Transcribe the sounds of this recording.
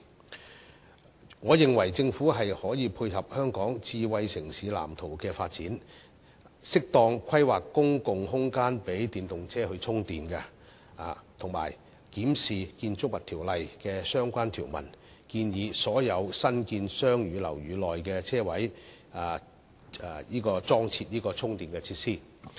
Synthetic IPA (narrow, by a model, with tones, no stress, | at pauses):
ŋɔː˨˧jɪ˨ŋwɐ˨˩jt͡sɪ˧ŋfuː˨˥ɦɐ˨jhɔː˨˥jiː˨˧pʰuː˧jɦɐ˨p̚hœː˥ŋkɔː˨˥ŋt͡siː˧wɐ˧jsɪ˨˩ŋsiː˨˧˥la̰ː˨˩mt̪ʰo˨˩wkɛː˧faː˧t̚t͡siː˨˥n | sɪ˥k̚t̪ɔː˧ŋkʷʰɐ˥jwaː˨kːʊ˥ŋkʊ˨ŋɦʊ˥ŋkaː˥npe˨˥jt̪iː˨nt̪ʊ˨ŋt͡sʰɛː˥hɵ˧t͡sʰʊ˥ŋt̪iː˨nkɐ˧ | a˨t̪ʰʊ˨˩ŋma̰ː˨˩j | kiː˨˥msiː˨kiː˧nt͡sʊ˥k̚mɐ˨˩t̪ʰiː˨˩wlɐ˨jkɛː˧sœː˥ŋkʷaː˥nt̪ʰiː˨˩wmɐ̰˨˩n | kiː˧njiː˨˧sɔː˨˥jɐ˨˧wsɐ˥nkiː˧nsœː˥ŋjyː˨˧lɐ̰˨˩wɥyː˨˧lɔː˨jkɛː˧t͡sʰɛː˥wɐ˨˥j | a˨˩˨ | jiː˥kɔː˧t͡sɔː˥ŋt͡sʰi˧t̚jiː˥kɔː˧t͡sʰʊ˥ŋt̪iː˨nkɛ˧t͡sʰiː˧t̚siː˥